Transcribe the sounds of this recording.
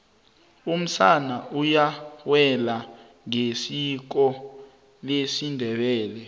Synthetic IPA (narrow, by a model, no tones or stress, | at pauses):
um̩sanaujawɛla | ŋesik̬ɔ | lesindʱɛɓɛːlɛ